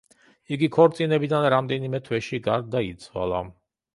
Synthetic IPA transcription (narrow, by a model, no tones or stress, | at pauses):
iɡikʰɔɾt̪sʼinɛbid̪anɾamd̪ɛnimɛt̪ʰwɛʃiɡaɾd̪ait̪sʰwa̰lˠa̰